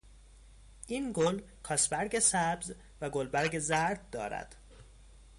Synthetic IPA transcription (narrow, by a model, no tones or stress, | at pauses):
ʔiːnɡol | kʰɒːsbæɾɟesæbz | væɡolbæɾɡezæɾd̪̚d̪ɒːɾæ̰d̪̥